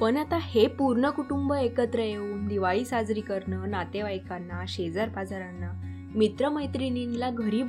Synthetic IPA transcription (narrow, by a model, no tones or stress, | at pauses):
pəɳat̪ahepuɾɳəkuʈumbəekət̪ɾəjeuːnd̪iʋaɭiːsad͡zɾiːkəɾɳənat̪eʋajkanːaɕed͡zaɾpad͡zaɾanːa | mit̪ɾəməjt̪ɾininilaɡʱəɾiː